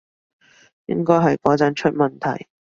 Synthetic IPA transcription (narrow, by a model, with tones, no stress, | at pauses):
jɪ̰˥ŋkɔː˥jɦɐ˨jkɔː˨˥t͡sɐ˨˥nt͡ʃʰɵ˥t̚mɐ˨nt̪ʰɐ̰˨˩j